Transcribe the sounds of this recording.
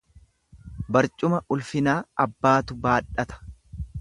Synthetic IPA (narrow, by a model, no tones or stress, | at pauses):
bɐɾt͡ʃʼʊmɐʔʊlfɪnaːɐbːaːt̪ʊbaːᶑɐt̪ɐ̥